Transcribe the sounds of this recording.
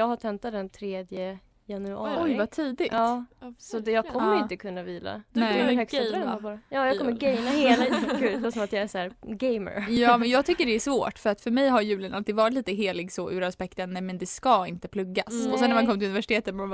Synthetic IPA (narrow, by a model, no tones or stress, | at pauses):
jɑːɡhaʈʰɛnt̪at̪d̪ɛnt̪ʰɾeːd̪jə | janʉɑ̰ːɔjvat̪ʰiːd̪ɪɡɑːsɔd̪ɛjɑːɡkʰɔmːəɾɪ̃t̪əkʰɵnːaviːla̰d̥̪ɛhœːɡs | jɑːjɑkɔmːəɾɡɛjnaheːlɪɡʉvasɔmat̪jɑæsɔæːɾɡɛjmə̰ɾjɑːmɛnjɑːɡ̚t̪ʰʏkːəɖɛæʂvoːʈːfœɾat̪fœɾmɛjɦaɾjʉ̟ːlənʔalt̪id̪vɑːɾɪt̪liːt̪əɦeːlɪɡsɔʔʉ̟ːɾaspɛkt̪ənːɛmɛnd̪ɛskɑɪnt̪əpʰlɵɡːasɔsɛnːɛɾmankɔmt̪ɪɵnɪvæʂɪ̥t̪eːt̪ət̪ma